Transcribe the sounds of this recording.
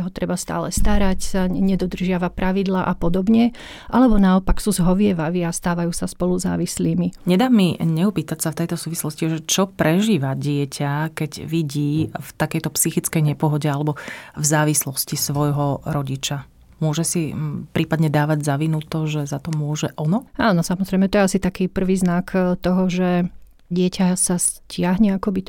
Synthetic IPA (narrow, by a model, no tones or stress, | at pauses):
ɦɔt̪ɾɛbast̪a̰ːlɛst̪aɾacsaɲɛd̪ɔd̪r̩ʒɪaʋapɾaʋid̪laːʔapɔd̪ɔbɲɛ | ʔalɛbɔnaɔpaksuzɦɔʋɪɛʋaʋiast̪aːʋajuːsaspɔluza̰ːʋisliːmiɲɛd̪aːmːiɲɛupiːt̪acsaft̪ɛjt̪ɔsuːʋislɔsciʒɛt͡ʃɔpɾɛʒiːʋaɟɪɛcʰakɛɟʋiɟiːft̪akɛjt̪ɔpsixit͡skɛjɲɛpɔɦɔɟɛalɛbɔvzaːʋislɔscisʋɔjɦɔɾɔɟit͡ʃa | mʊɔʒɛsipɾʔiːpad̪ɲɛd̪aːʋaɟzaʋinut̪ɔʒɛzat̪ɔmʊɔʒɛʔɔnɔʔaːnɔsamɔzɾɛjmɛt̪ɔjɛasit̪akiːpr̩ʋiːznakt̪ɔɦɔʒɛ | ɟɪɛcasascɪaɦɲɛakɔbi